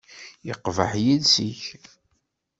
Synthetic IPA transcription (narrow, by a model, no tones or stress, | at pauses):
jəqvə̰ħjiðsiç